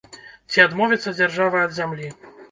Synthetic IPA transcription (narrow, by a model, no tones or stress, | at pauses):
t͡sʲiad̪mɔvʲit̪sːɐd͡zʲarʐavɐɐd̪zʲamlʲi